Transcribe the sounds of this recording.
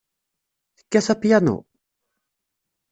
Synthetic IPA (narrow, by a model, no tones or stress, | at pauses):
i̥kʲːasapiano̰